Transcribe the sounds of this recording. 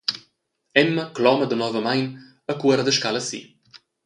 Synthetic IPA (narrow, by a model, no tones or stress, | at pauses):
ɛmːəklɔməd̪ənɔvəmajn | əkuəɾəd̪əʃkaləsḭ